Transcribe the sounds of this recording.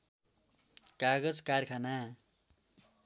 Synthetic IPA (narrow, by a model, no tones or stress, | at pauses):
kaɡʌd͡zkarkʰana